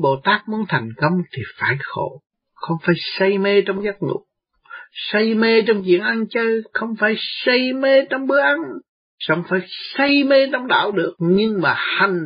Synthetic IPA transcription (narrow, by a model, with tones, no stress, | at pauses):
ɓo˧˨˩t̪aː˦˥k̚mu˨˦ənt̪ʰɛ˨˩jŋ̟kə˧wŋ͡mt̪ʰi˨˩faː˧˩jxo̰˧˩ | xə˧wŋ͡mfaː˧˩jsə˧jme˧t͡ɕɔ˧wŋ͡mzaː˦˥t̚ŋṵ˧˩˦ | sə˧jme˧t͡ɕɔ˧wŋ͡mt͡ɕwḭ˧˨ənʔa˧nt͡ɕəː˧jxə˧wŋ͡mfaː˧˩jsə˧jme˧t͡ɕɔ˧wŋ͡mɓɨ˦˥əʔa˧n | sa̰˧˩wŋ͡mfaː˧˩jsə˧jme˧t͡ɕɔ˧wŋ͡mɗa̰ː˧˩˨wɗɨ˨˩ək̚ɲɨ˧ŋmaː˨˩ha˨˩ŋ̟